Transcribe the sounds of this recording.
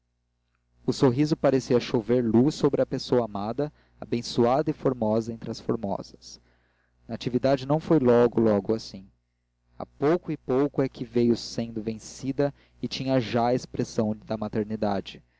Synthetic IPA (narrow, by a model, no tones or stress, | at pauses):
ʊsoɦizʊpaɾesiɐʃoveɾlusːobɾɪɐpesoɐamad̪ɐ | a̰bẽsuad̪ɐɪfoɾmɔzɐẽnt̪ɾɪɐsfoɾmɔ̰zɐs | nɐat͡ʃivid̪ad͡ʒɪnɐ̃w̃fojlɔɡʊlɔɡʊasĩ | a̰powkʊɪpowkʊɛkʰɪvejʊsẽnd̪ʊvẽsid̪ɐ | ɪt͡ʃĩɲɐʒaɐespɾesɐ̃w̃d̪ɐmat̪eɾnid̪ad͡ʒɪ